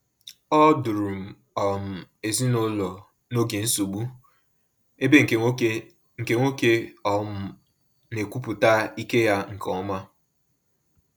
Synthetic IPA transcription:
ɔ˦du˨ɾu˨m̩˨ | ɔ˨m̩˨e˨zi˦nʊ˦lɔ˨ | no˦ɡe˨n̩˦su˨ɡ͡bu˦ | e˦be˦ŋ˨ | ŋ̩˨ke˦ŋʷo˦ke˦ɔ˨m̩˦ | ne˨kʷu˦pu˨ta˦i˦ke˦ja˦ŋ̩˨kʰɔ˨˦ma˦

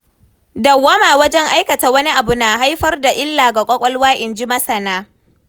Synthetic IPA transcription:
dɐ˨wːa˦maː˨wɐ˦d͡ʒɛ˦ŋʔa˦jkɐ˨taː˨wɐ˦ni˦ʔa˨bʊ˨naː˨ɦa˦jɸɐ˦rda˨ʔɪ˦lːaː˨ɡa˨kʷʼɐ˦kʷʼɔ˦lwaː˦ʔɪ˨nd͡ʒɪ˦mɐ˦sɐ˨naː˦

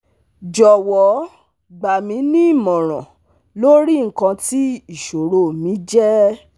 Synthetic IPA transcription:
d͡ʒɔ˨wɔ˨˦ | ɡ͡ba˨mĩ˨˧˦nĩ˦˨mɔ̃˨ɾ̃ɔ̃˨ | lo˦ɾi˦ŋ̩˨˦kã˧ti˦i˦˨ʃo˨ɾo˦˨mĩ˨˦d͡ʒɛ˦

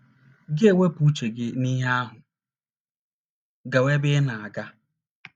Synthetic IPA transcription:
ɡɪ˦e˨wʷe˦pu˦t͡ʃe˨ɡɪ˦ni˦ɦa˦ɦʊ˨ | ɡa˨we˦bɪ˦na˨a˨ɡa˦

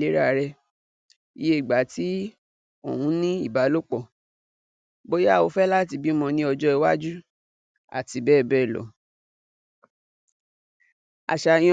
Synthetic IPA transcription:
le˨˦ɾa˦˨˧ɾɛ˧ | i˨˦je˦i˨ɡ͡ba˨˦ti˨˦ | o̰˨hũ˨˦nĩ˦i˦˨ba˨˦lo˦k͡pɔ˦˨ | bo˦ja˦˨o˧fɛ˦la˦˨t̬i˧˦bi˦mɔ̃˧nĩ˧˦ɔ˧d͡ʒɔ˦i˧wa˦d͡ʒu˦ | a̰˨ti˨˦bɛː˦˨bɛ˦˨lɔ̰˨˦ | a̰˨ʃa˧j̃

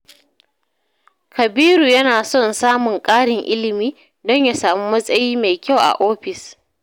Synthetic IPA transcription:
kɐ˨biː˦ɾuː˨jɐ˦naː˨sɔ˦nsaː˦mʊ˨ŋkʼaː˦ɽɪ˨ŋʔɪ˦lɪ˨miː˦ | dɔ˦ɲja˨saː˨mu˦mɐ˦sʼɐ˦jiː˦ma˨jkʲa˦˨wʔa̰˨ʔoː˦ɸɪ˨s

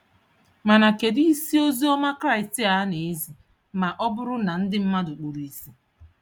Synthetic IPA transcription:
ma˨na˨ke˨di˦i˦si˦o˦zi˦ɔ˦ma˦kɾa˦ɪ˨stɪ˦a˨˦ne˨i˦zi˨ | ma˨ʔɔ˦bʊ˦ɾʊ˦na˨n̩˦dɪ˦m̩˦ma˦dʊ˨k͡po˨ɾi˨si˦

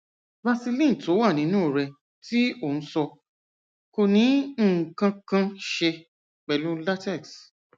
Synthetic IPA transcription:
va˧si˧lĩ˦˨to˨˦wa˦˨nĩ˨˦nũː˦˨ɾɛ˧ | ti˦o˦˨ñ̩˨˦sɔ˧ | ko˧nĩ˨˦˨kã˧kã˧ʃe˧ | k͡pɛ˨lũ˦la˦tɛ˦˨ks

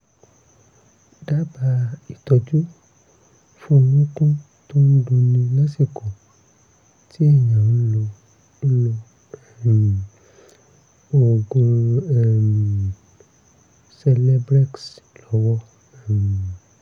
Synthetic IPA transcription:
da˦ba˧i˨tɔ˧d͡ʒu˦ | fũ˦˧nũ˦kũ˦ | to˦n̩˦dũ˧nĩ˧la˦si˦˨kɔ˨ | tʰi˦ɛ˦˨jã˨nũ˦lo˧˦ | lo˧˨ | o˨ɡo˧ɛ˨m˨ | sɛ˧lɛ˦bɾɛ˦kslɔ˨˦wɔ˦ | ɛ˨m˨

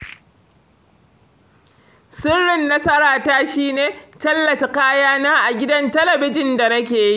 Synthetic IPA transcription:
sɪ˦rːɪ˨nːɐ˦sɐ˦ɾaː˨taː˦ʃiː˦neː˨tɐ˦lːɐ˨ta˨kaː˦jaː˦naː˦ʔa˨ɡʲɪ˦dɐ˦ntɐ˦lɐ˨bɪ˦d͡ʒɪ˨nda˨nɐ˦k̬ʲeː˨ji˦ʔ

